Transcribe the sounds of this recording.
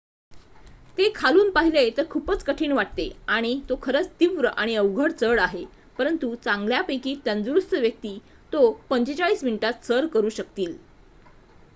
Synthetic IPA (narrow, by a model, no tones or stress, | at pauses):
t̪ekʰaluːnpaɦilet̪əɾkʰupət͡skəʈʰiːɳʋaʈ̚t̪eaɽ̃it̪okʰəɾət͡st̪iʋɾəʔaɽ̃iəʋɡʱəɽt͡səɽaɦe | pəɾənt̪ut͡sãŋɡljapekiːt̪ənd͡zuɾust̪əʋjək̚t̪iː | t̪opəɲt͡ɕet͡ɕaɭiːsminiʈat̪səɾkəɾuːɕək̚t̪iːl